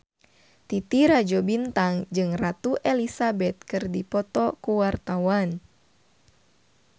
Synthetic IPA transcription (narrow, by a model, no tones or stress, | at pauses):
t̪it̪iɾad͡ʒɔbint̪aŋd͡ʒɨŋrat̪uʔelisabɛt̪̚kɨrdipɔt̪ɔkuwart̪awan